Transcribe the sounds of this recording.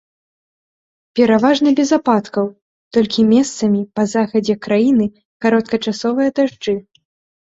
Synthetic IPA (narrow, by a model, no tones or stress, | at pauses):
pʲɛɾavaʐnɐbʲɛzapat̪kɐw | t̪ɔlʲkʲimʲɛst̪sɐmʲipɐzaxɐd͡zʲɛkɾajinɨ | kaɾɔt̪̚kɐt͡ʂasɔvɨjɐd̪aʐd͡ʐɨ